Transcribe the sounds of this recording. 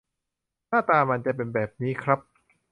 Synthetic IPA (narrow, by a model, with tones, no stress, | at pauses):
naː˥˩t̪aː˧ma˧nt͡ɕa˨˩pe˧nbɛː˨˩p̚niː˦˥kʰɾa˦˥p̚